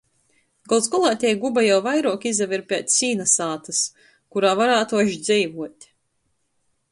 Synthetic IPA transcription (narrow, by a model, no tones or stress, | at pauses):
ɡalˠd̪skɔlˠaːt̪ʲɛjɡubajawvajɾuɔkizaviɾpʲɛːt̪sʲiːnasaːt̪as | kuɾaːvaɾaːt̪uɔʃd̪zʲɛjvuɔt̪ʲ